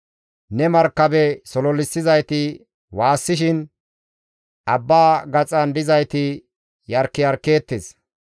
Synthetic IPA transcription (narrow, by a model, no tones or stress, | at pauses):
nɛmɐɾkːɐbɛsɔlɔlːɪsːɪzɐjt̪ɪ | waːsːɪʃɪn | ʔɐbːaːɡɐt͡sʼɐnd̪ɪzɐjt̪ɪ | jɐɾkːɪjɐɾkːe̞ːt̪ːes